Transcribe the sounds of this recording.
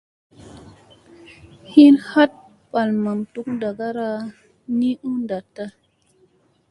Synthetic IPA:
hi˦nha˦t̚ | pa˨lma˨mtu˦kda˨ɡa˦ɾa˦ | ni˦ʔu˦nda˨tːa˦

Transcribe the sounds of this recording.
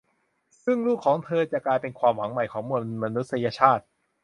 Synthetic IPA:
sɯ˥˩ŋluː˥˩kʰːɔː˩˦ŋt̪ʰɤː˧t͡ɕa˨˩klaː˧jpe˧nkʰwaː˧mwa˩˦ŋma˨˩jkʰɔː˩˦ŋmu˧˩ənma˧nu˦˥t̪̚sa˧ja˧t͡ɕʰaː˥˩t̪̚

